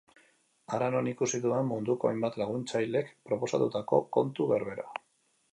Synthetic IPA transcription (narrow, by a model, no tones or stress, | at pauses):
aɾano̞nikusit̪ue̞mmund̪uko̞a̰jmbat̪laɣ̞unt͡sajle̞kpɾo̞po̞sat̪ut̪ako̞̰ko̞nt̪uβeɾβe̞ɾa